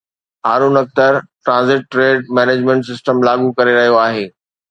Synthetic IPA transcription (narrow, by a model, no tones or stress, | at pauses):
ɦaːɾuːnɐk̚t̪əɾʈɾãːnzɪʈːɾeːɖ̚mɛːneːd͡ʑmɛ̃ɳʈsɪsʈəmlaːɡukɐɾeɾɐɦijoaːɦeː